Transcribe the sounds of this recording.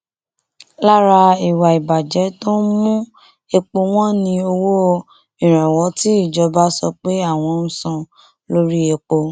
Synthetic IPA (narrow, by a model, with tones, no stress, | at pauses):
la˦ɾa˧i˨wa˨i˨ba˨d͡ʒɛ˨˦to˦mũ˦ | e˧k͡po˧w̃ɔ̃˦nĩ˧o˧wo˦ | ĩ˨ɾ̃ɛ̃˨wɔ˨˦ti˦i˦˨d͡ʒɔ˨˦ba˦sɔ̰˧k͡pe˨˦a˦˨w̃ɔ̃˧n̩ũ˧sã˦˨ | lo˦ɾi˦e˧k͡po˧